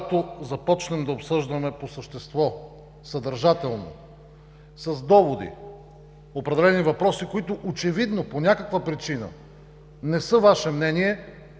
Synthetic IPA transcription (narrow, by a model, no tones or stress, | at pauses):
t̪ozɐpɔt͡ʃnɛmd̪ɐopsɤʒd̪ɐmɛposəʃt̪ɛst̪vɔ | səd̪əɾʒat̪ɛlˠno̰ | sɐzd̪ɔvod̪ḭ | opɾɛd̪ɛlɛnivɐpɾɔsikoit̪oʔot͡ʃɛvid̪noponʲakəkvəpɾit͡ʃinə̰ | nɛsɤvaʃɛmnɛniɛ